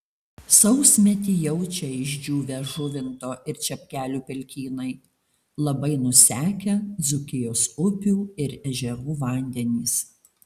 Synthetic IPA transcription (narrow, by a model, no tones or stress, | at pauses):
sɒʊsʲmʲɛt̪ʲiːjɛʊt͡ʃʲɛɪʒʲd͡ʒʲuːʋʲɛʒʊʋʲɪnt̪oːʔɪɾt͡ʃʲɛpʲkʲæːlʲuːpʲɛlʲkʲiːnɐɪ | lˠɐbɐɪnʊsʲæːkʲɛd̪zʊkʲɪjoːsʊpʲuːɪɾɛʒʲɛʋuːʋɐˑnʲd̪ʲɛnʲiːs